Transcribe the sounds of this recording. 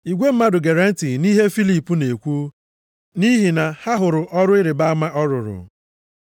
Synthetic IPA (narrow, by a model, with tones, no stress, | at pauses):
i˨ɡʷe˦m̩˦ma˦dʊ˨ɡe˨ɾa˦n̩˦ti˨ni˦ɦe˦fi˦li˨pu˦ne˨kʷu˦ | ni˦ɦi˨na˨ha˦ɦʊ˨ɾʊ˨ʔɔ˦ɾʊ˦ɪ˦ɾɪ˨ba˦a˦ma˦ʔɔ˦ɾʊ˨ɾʊ̰˨